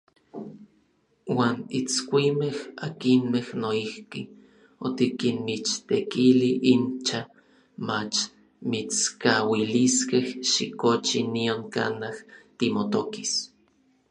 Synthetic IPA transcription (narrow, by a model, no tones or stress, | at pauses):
waːnit͡skʷimehakinmehnoihki | ot̪ikinmit͡ʃt̪ekiliʔint͡ʃa | mat͡ʃ | mit͡skawiliskehʃikot͡ʃinioŋka̰naht̪imot̪okis